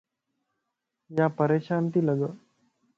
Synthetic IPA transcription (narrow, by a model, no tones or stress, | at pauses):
japəɾeɕant̪iːləɡə